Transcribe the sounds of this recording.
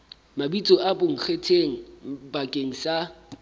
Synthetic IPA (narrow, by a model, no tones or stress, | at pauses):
mabit͡sʼɔʔabʊŋ̩k͡xʰetʰeŋ̩bakʼeŋ̩sa